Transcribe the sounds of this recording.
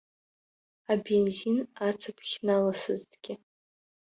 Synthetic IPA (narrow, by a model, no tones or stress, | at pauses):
abe̞nzinat͡sʰapʰχʲnalasɨztʰʼɡ̥ʲɪ